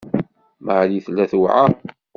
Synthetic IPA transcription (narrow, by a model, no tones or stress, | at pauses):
maʕliθlːæθwʕa